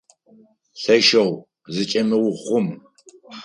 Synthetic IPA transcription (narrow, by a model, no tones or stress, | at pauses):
ɬɐʃɐw | zɨt͡ʃʼɐmɨwʊχʷʊm